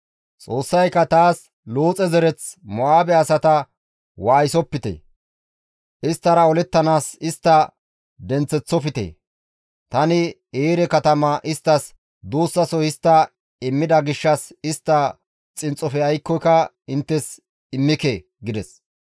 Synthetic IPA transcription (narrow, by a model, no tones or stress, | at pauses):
t͡sʼo̞ːsːɐjkːɐt̪aːs | loːt͡sʼɛzɛɾɛt͡smɔaːbɛɐsɐt̪ɐ | waːjɪsɔpːɪt̪ḛ | ʔɪst̪ːɐɾɐɔlɛt̪ːɐnaːsɪst̪ːɐ | d̪ɛnt͡sɛt͡sːɔfɪt̪ḛ | t̪ɐnɪ | eːɾɛkɐt̪ɐmɐʔɪst̪ːɐs | d̪oːsːɐsɔhɪst̪ːɐ | ɪmːɪd̪ɐɡɪʃːɐsɪst̪ːɐ | t͡sʼɪnt͡sʼːɔfɛɐjkːɔjkɐ | ɪnt̪ːɛs | ɪmːɪke | ɡɪd̪ɛs